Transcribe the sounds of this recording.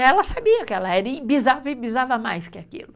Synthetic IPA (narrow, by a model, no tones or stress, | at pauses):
ɛlɐsabiɐkɪɛlɐɛɾɐibizavɪbizavɐmajskɪakḭlʊ